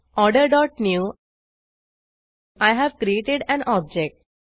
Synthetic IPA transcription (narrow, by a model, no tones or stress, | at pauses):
ɔːɾɖəɾɖɔːʈnjuː | aɪɦæʋkɾieːʈɪɖæ̃nɔːb̚d͡ʒek̚ʈ̚